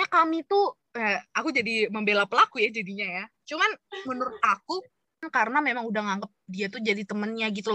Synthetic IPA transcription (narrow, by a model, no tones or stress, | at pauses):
jakamit̪u | akud͡ʒadiməmbelapəlakujad͡ʒadiɲajat͡ʃumanmənuɾʊt̪̚aku | nkaɾənamemaŋudaŋaŋɡəp̚diat̪ud͡ʒadit̪əmənjaɡit̪u